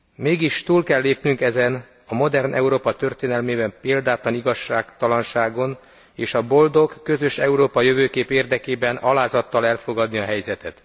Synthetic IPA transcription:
meːɡiʃt̪uːlkɛlːeːpnyŋkɛzɛn | ɒmo̞d̪ɛrnʔɛ̰uɾoːpɒt̪ø̞rt̪eːnɛlmeːbɛmpeːld̪aːt̪ɒniɡɒʃːaːkt̪ɒlɒnʃaːɡo̞n | eːʃɒbo̞ld̪o̞kːø̞zøʃɛuɾoːpɒjø̞vøːkeːpeːrd̪ɛkeːbɛnɒlaːzɒt̪ːɒlɛlfo̞ɡɒd̪niɒɦɛjzɛt̪ɛt̪

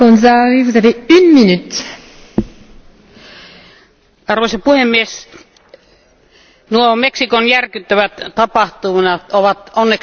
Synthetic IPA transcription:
konsɑisuseliynminyt̪ | ɑrʋoisɑpuhemːies | nuomeksikonjærkyt̪ːæʋæt̪t̪ɑpɑht̪umnɑt̪oʋɑt̪onːek

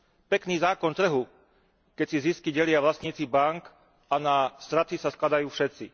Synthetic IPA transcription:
pɛkniːzaːkɔnt̪r̩ɦu | kɛcsiziskiɟɛlɪaʋlast̪ɲiːt͡sibaŋk | ʔanast̪ɾat̪isasklad̪ajuːfʃɛt̪t͡si

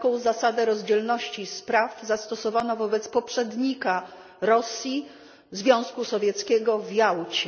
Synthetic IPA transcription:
kɔ̃w̃zasad̪ɛɾɔzd͡ʑɛlnɔɕt͡ɕispɾavzast̪ɔsɔvanavɔbɛt̪spɔpʂɛd̪ɲika | ɾɔsʲji | zvʲjɔ̃w̃skusɔvʲjɛt̪skʲɛɡɔvjawt͡ɕɛ

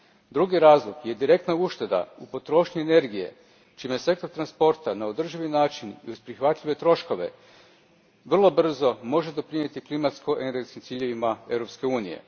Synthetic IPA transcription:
d̪ɾuɡiɾaːzlˠokje̞d̪iɾe̞kt̪nauʃt̪e̞d̪a̰upo̞t̪ɾo̞ːʃɲiene̞ɾɡije̞̰ | t͡ʃiːmese̞k̚t̪oɾt̪ɾanspo̞ɾt̪anao̞d̪r̩ʒiʋinaːt͡ʃinḭuspɾixʋat̪ʎʲiʋe̞t̪ɾo̞ʃko̞ʋe̞̰ | ʋr̩lˠo̞br̩zo̞mo̞ʒe̞d̪o̞pɾiɲe̞t̪iklimat̪skoʔene̞ɾɡet̪skimt̪iːʎe̞ʋimae̞ʋɾo̞pske̞uːnije̞̰

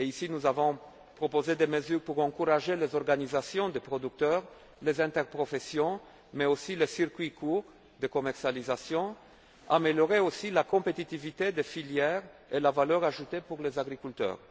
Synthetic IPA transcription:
eisinuzavɔ̃ | pχopozed̪eməzyʁpuʁɑ̃kuʁaʒelezɔʁɡanizasjɔ̃d̪epχɔd̪yk̚t̪œʁ | lezɛ̃t̪ɛʁpχɔfesjɔ̃ | mɛosilesiʁkɥikʰuʁ | d̪əkɔmɛʁsjalizasjɔ̃ | a̰meljɔʁeosilakɔ̃pet̪it̪ivit̪ed̪efiljɛːʁ | elavalœʁaʒut̪epuʁlezaɡʁikylt̪œ̰ːʁ

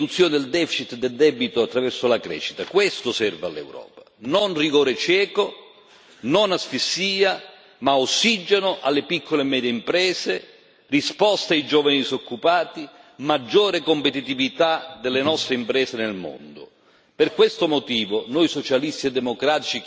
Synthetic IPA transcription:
ut̪sːjoːnɪd̪eld̪ɛfit͡ʃit̪d̪eld̪ɛbit̪ʊat̪ːɾavɛrsolakɾɛ̰ːʃːi̥t̪akwest̪ʊsɛrva̰lːɛ̰wɾɔ̰ːpḁnonriɡoːɾet͡ʃɛːko | nonasfisːiːa | maosːid͡ʒenoʔalːepikʰːolemɛːd̪jeimpɾɛːse | rispɔst̪ajd͡ʒɔːvanidsokʰːupaːt̪imad͡ʒːoːɾekompet̪it̪ivit̪ad̪elːenɔst̪ɾeimpɾɛːsenelmo̰nd̪ʊ̰ | perkwest̪ʊmot̪iːvonojsot͡ʃalist̪iɛd̪ːemokɾaːt̪it͡ʃi

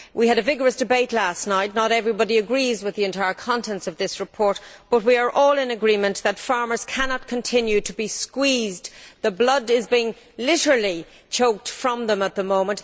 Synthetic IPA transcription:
wʔiɨɾɨvɪɡə˞ɨsd̥ɨbeɪtˡlæstⁿnaɪtⁿnəɾɛvɹibɑɾiɨɡɹizwɨðiɨ̃ntʰaɪə˞kʰɑ̃ntʰɛ̃nsʌvðɪsɹɨpʰɔɹt̚b̥ʌt̚wiə˞ʔɔlˠɪ̃nɨɡɹĩmə̃nðətfɑɹmə˞z̥kʰænɑt̚kʰə̃ntʰɪ̃njʉɾəbiskwizdðəblʌdɪzbiɪ̃ŋ | lɪɾə˞əl̩ˠi | t͡ʃʰoʊk̚tfɹʌ̃mðə̃mət̪̚ðəmõʊ̃mə̃n

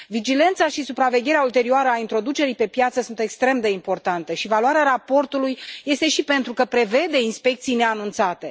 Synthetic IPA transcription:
vid͡ʒile̞nt̪saʃisupɾave̞ɡʲe̞ɾeault̪e̞ɾioaɾəaint̪ɾo̞d̪ut͡ʃe̞ɾijpe̞pjat̪səsunt̪e̞kst̪ɾe̞md̪e̞impo̞rt̪ant̪əʃivaluaɾeaɾapo̞rt̪ulujːe̞st̪e̞ʃipe̞nt̪ɾukəpɾe̞ve̞d̪e̞inspe̞k̚t̪sijne̞anunt̪sat̪e̞

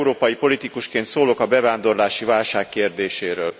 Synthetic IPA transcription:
uɾoːpɒjipo̞lit̪ikuʃkeːnt̪soːlo̞kɒbɛvaːnd̪o̞rlaːʃivaːlʃaːkːeːrd̪eːʃeːɾøːl

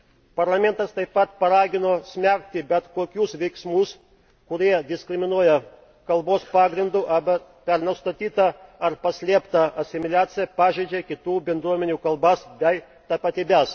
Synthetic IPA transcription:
pɐɾlˠɐmʲɛnt̪ɐst̪ɐɪppːɐt̪pɐɾɑːɡʲɪnoːsʲmʲæk̚t̪ʲɪbʲɛt̪koːkʲuːsʋʲɛɪksmuːs | kʊɾʲiɛd̪ʲɪsʲkɾʲɪmʲɪnuɔjɛ | kɐlˠboːspɑːɡɾʲɪnd̪uːʔɐbɐ | pʲɛɾnɐst̪ɐt̪ʲiːt̪ɐɐɾpɐsʲlʲiɛpt̪ɐɐsʲɪmʲɪlʲæːt̪sʲɪjɛpɑːʒʲeːd͡ʒʲɛkʲɪt̪uːbʲɛnd̪ɾuɔmʲɛnʲuːkɐlˠbɐsbʲɛɪ | t̪ɐpɐt̪ʲiːbʲɛs

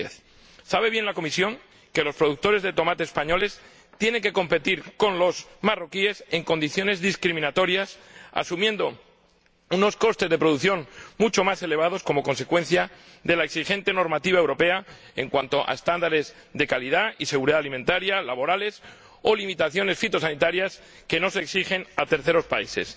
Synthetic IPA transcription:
eθ | saβe̞β̞je̞nlako̞misjo̞ŋ | ke̞lo̞spɾoðuk̚t̪o̞ɾezðe̞t̪o̞mat̪eːspaɲo̞le̞s | t̪je̞ne̞ŋke̞ko̞mpe̞t̪iɾko̞nlo̞zmaro̞kie̞se̞ŋko̞nd̪iθjo̞ne̞zðiskɾimĩnat̪o̞ɾjasa̰sumjẽ̞nd̪o̞ | uno̞sko̞st̪e̞zðe̞pɾo̞ðuθjo̞ŋmut͡ʃo̞mase̞le̞β̞að̞o̞sko̞mo̞ko̞nse̞kwẽ̞n̟θja | ðe̞laeksixe̞nt̪e̞no̞ɾmat̪iβ̞aewɾope̞a | e̞ŋkwant̪o̞ʔa̰est̪and̪aɾe̞z | ðe̞kalið̞aise̞ɣuɾiðaalimẽ̞nt̪aɾjalaβo̞ɾale̞s | o̞limit̪aθjo̞ne̞sfit̪o̞sanit̪aɾjas | ke̞no̞seksixe̞nat̪e̞ɾθe̞ɾo̞spaise̞̰s

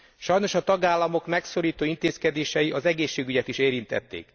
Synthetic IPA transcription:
ʃɒjno̞ʃɒt̪ɒɡaːlːɒmo̞kmɛksoɾiːt̪oːint̪eːskɛd̪eːʃɛjiʔɒzɛɡeːʃːeːɡyɟɛt̪iʃeːɾint̪ɛ̰t̪ːḛːk

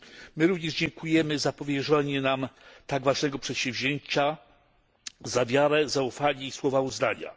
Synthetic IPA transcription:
mɘɾuvɲɛʐd͡ʑɛŋkujɛmɘzapɔvʲjɛʐɛɲɛnamt̪aɡvaʐnɛɡɔpʂɛt̪ɕɛ̃vʑeɲt͡ɕa | zavʲjaɾɛzaufaɲʲɛiswɔvauznaɲa̰

